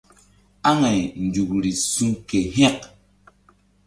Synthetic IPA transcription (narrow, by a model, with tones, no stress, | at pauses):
a˦ŋɛ˨jn˨d͡ʒu˨kɾi˨su˦ŋke˨ɦɛ˦˨k